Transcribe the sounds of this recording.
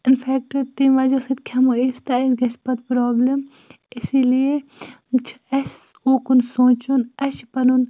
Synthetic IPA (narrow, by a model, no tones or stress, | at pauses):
ɪnfʰɛːk̚ʈɐɾʈimʋad͡ʒɐsɐt̪kʲʰɐmuist̪ɐesɡɐspɐt̪pɾoːblem | ɪsilie | t͡ʃʰ | ɐs | oːkunsõːt͡ʃunɐʃpɐnun